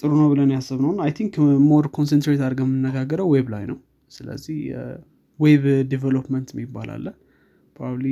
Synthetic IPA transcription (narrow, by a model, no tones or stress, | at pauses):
t̪ʼɨɾunəwbɨlənjasːɨβnəwnajt̪ʰiŋkmo̞ɾkʰo̞ns̬ɛnt̪ɾet̪aɾɡəmːɨnːəɡaɡːəɾəwweβlajnəw | sɨlə̰zːihj̰ | weβdivelopmənt̪ɪmːibːa̰la̰lːəh | pʰobabli